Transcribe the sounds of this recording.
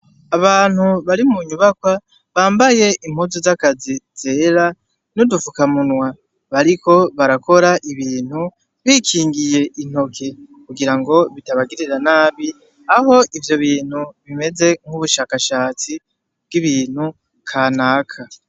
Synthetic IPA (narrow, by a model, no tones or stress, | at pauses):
aβaːn̥huβaɾimuɲuβakwa | βaːmbaje̞ʔim̥huzozakaziz̥e̞ːɾa | nudufukamunwa | βaɾiko̞βaɾakʰo̞ɾaʔiβiːn̥hu | βiːkʰiːŋɡije̞ʔin̥o̞kʰe̞kuɡiɾaŋɡo̞βitaβaɡiɾiɾanaːβi | aɦo̞ʔivjo̞βiːn̥huβime̞ze̞ŋ̥huβuʃaːkaʃaːt͡si | b̥ɡiβiːn̥hu | kʰaːnaːkʰa